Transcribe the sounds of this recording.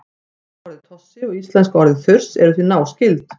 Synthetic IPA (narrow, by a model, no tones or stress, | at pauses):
ɔɾðɪt̪ʰɔsːɪɔɣist̪lɛnskɔɾðɪθʏr̥sɛ̰ɾʏθinaːwscɪlt̪